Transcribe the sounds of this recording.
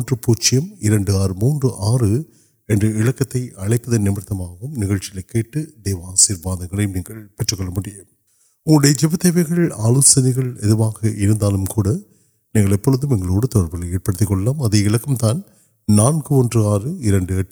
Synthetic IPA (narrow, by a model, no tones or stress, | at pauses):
ndrɯpuːɾt͡ʃɪjɐmɪɾɐɳɖɯaːɾmuːndrɯʔaːrɯ | ɛndrɯɪɻɐkːɐt̪ːɐɪʔɐɭɐɪpːɐðɐnɪmɐɾt̪ːɐmaːɣɯmnɪɣɐɻt͡ʃɪlɐɪkːeːʈːɯd̪eːʋɐaːsiːɾbaːðɐŋɡɐɭɐjmniːŋɡɐɭpɛʈrɯkːɔɭːɐmuɽɪjɐ | ʊɽɐjɐd͡ʒɛbɐt̪ːɐʋɐɪɣɐɭɭaːloːsɐnɪɣɐɭɛðɯʋaːɣɐʔɪɾɯnd̪aːlɯmkuːɽɐ | niːŋɡɐɭɛpːɔɻɯðɯmɛŋɡɐɭoːɽɐt̪ɔɽɐɾbɐlɐeːʈ̚pɐɽɯt̪ːɪkːɔɭɐlaːmɐðɐɪɭɐkːɐmt̪aːn | naːnkɯɔndrɯaːrɯɪɾɐɳɖɯɛʈː